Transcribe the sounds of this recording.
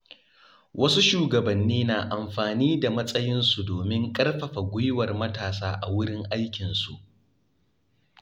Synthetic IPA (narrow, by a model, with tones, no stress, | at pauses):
wʔɐ˦su˦ʃuː˦ɡɐ˨bɐ˨nːiː˦naː˨ʔa˨mɸaː˨niː˦da˨mɐ˦sʼɐ˦jɪ˦nsu˨doː˨mɪ˦ŋkʼɐ˦rɸɐ˨ɸa˨ɡʷʊ˦jwɐ˨rmɐ˦taː˨saː˦ʔa̰˨wʊ˦ɽɪ˦ŋʔa˦jkʲɪ˨nsu˨ʔ